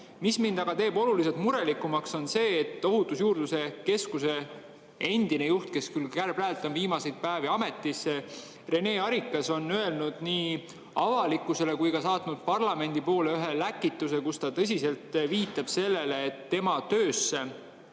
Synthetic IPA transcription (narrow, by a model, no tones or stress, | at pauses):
mismind̪ɑɡ̥ɑt̪e̞ːbo̞luliselt̪muɾe̞likːˑumɑkso̞nse̞ːt̪ːo̞ɦut̪ˑusjuːrd̪̥use̞ke̞skuse̞ | e̞nd̪̥ine̞juht̪̚ke̞skylkærb̥lælt̪ːˑɑmviːmɑse̞jd̪̥̚pæːviɑme̞t̪ːˑisːe | re̞ne̞ːɑɾikːˑɑso̞nːøe̞lnud̪̥niː | ɑvɑlikːˑuse̞le̞kujkɑsɑːt̪nud̪̥̚pɑrlɑme̞nʲd̪̥ipo̞ːle̞yɦe̞lækːˑit̪ːˑuse̞kust̪ɑt̪ɤ̞s̬ʲise̞lt̪viːt̪ːˑɑb̥se̞lːe̞le̞ːt̪ːe̞mɑt̪øːsːe̞